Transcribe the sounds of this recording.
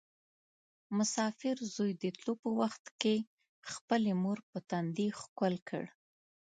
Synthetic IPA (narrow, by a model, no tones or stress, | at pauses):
mʊsɑfɪɾzojd̪ət̪lopəwaxt̪ke | xpəlemoɾpət̪and̪exkalkʰə̰ɽ